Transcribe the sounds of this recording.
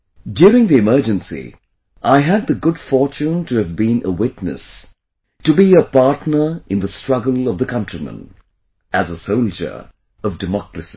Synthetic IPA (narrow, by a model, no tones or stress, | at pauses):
djʊɹɪ̃ŋðiɨmɜ˞d͡ʒɨ̃nsḭ | ʔaɪɨd̪̚ðɨɡʊd̥fɔɹt͡ʃũntʰɨːvbĩnəwɪtnɨ̰s | tɨbiəpɑɹtnə˞ɨ̃nðəstɹ̥ʌɡəlˠʌvðəkʰʌ̃ntɹ̥imə̰̃n | ʔɨzəsoʊlˠd͡ʒə̰˞ | ʌvdɨmɑkɹɨsi̥